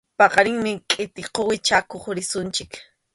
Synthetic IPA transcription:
pɑqɑɾɪŋmɪkʼɪt̪ɪqowɪt͡ʃakoχɾɪsʊnt͡ʃɪk

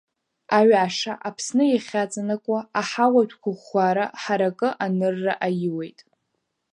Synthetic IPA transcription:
aɥʕaʂaʔapʰsnɨjaχʲat͡sʼanakʷʼaːħawadʷᶣʰkʷʰʊχaɾaħaɾakʼɨʔanɨrːaʔajɪwe̞jtʼ

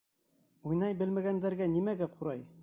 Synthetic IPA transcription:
ujnɑjbɘ̆lmæɡænd̪æɾɡænimæɡæqʰuɾɑj

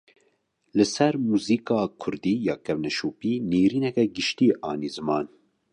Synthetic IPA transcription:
lɨsɛɾmuːziːkɑːkʰʊɾd̪iːjɑːkɛvnɛʃuːpiːneːɾiːnɛkɛɡɨʃt̪iːʔɑːniːzɨmɑːn

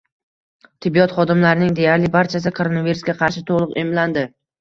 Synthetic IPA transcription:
t̪ʰɪbːijɒt̪χɒd̪ɪmlaɾɪnɪŋd̪e̞jaɾlɪbaɾt͡ʃʰas̬ɪkʰoɾonaviɾusɡʲaqʰɑɾʃɪt̪ʰoʁlˠɨqemland̪ɪ

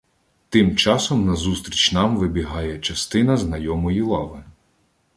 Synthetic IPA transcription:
t̪ɪmt͡ʃɑsɔmnɐzust̪ɾʲit͡ʃʲnɑmʋɪbʲiɦɑjɛt͡ʃɐst̪ɪnɐznɐjɔmɔjilˠɑʋɪ

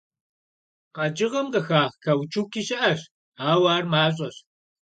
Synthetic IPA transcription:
qɑd͡ʒɪʁɐmqɐxaːkʰawt͡ʃʰukiɕɐʔɐɕ | aːwaːrmaːɕʼɐɕ

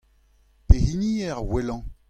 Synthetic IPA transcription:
pehiniɛʁwelɑ̃

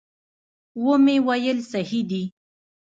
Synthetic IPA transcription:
womewajəlsahid̪i

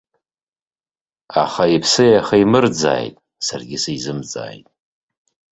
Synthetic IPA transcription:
a̰χaipʰsɨjaχaimɨrd͡za̰ːjtʼ | sarɡʲɪsaizɨmt͡sʼa̰ːjtʼ

